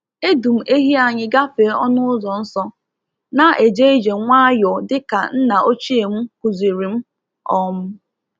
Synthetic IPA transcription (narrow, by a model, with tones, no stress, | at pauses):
e˦du˨m̩˨ʔe˦ɦi˦a˨ɲɪ˦ɡa˦pe˨˦ɔ˦nʊ˦ʊ˦zɔ˨n̩˦sɔ˦ | na˦ʔe˨d͡ʒe˦e˦d͡ʒe˨ŋʷa˦jɔ˨dɪ˦ka̰˨n̩˦na˨ʔo˦t͡ʃi˦e˨m̩˦kʷu˨zi˨ɾi˨m̩˦ | ɔ˦mʊ˦